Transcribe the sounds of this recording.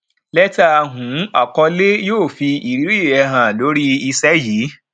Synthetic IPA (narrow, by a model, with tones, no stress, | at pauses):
lɛ˦ta˦a˧ɦũ˨˦a̰˨kɔ˧le˦joː˦˨fi˧i˨ɾi˨˦ɾi˦˨ɛ˧ɦã˨lo˨˦ɾi˦i˧sɛ˦jiː˨˦